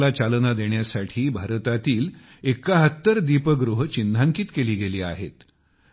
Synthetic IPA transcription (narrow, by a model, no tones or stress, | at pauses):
lat͡ɕalnad̪eɳjasaʈʰiːbʱaɾt̪at̪iːl | ekːaɦət̪ːəɾd̪ipəɡɾuɦt͡ɕind̪ʱaŋkiːt̪keliːɡeliːa̰ɦḛt̪